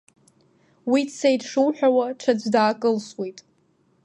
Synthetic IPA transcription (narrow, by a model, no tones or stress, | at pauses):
widsejdʂɨwħʷᶣawaʈ͡ʂʰad͡zʷdaːkʼɨlswejtʼ